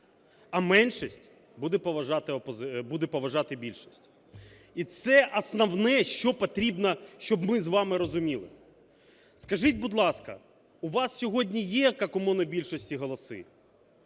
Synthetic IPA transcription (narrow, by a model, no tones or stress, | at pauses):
ɐmɛnʃisʲtʲ | bud̪ɛpɔʋɐʒɑt̪ɪɔpɔzbud̪ɛpɔʋɐʒɑt̪ɪbʲilʲʃisʲtʲ | it̪sɛʔɐsnɐwnɛʃt͡ʃɔpɔt̪ɾʲibnɐʃt͡ʃɔbmɪzʋɑmɪɾɔzʊmʲilˠɪ̰ | skɐʒitʲbʊd̪lˠɑskɐ̰ | ʊʋɑssʲɔɦɔdʲnʲijɛjɐkakɔmɔnɐbʲilʲʃɔsʲtʲiɦɔlˠɔsɪ̰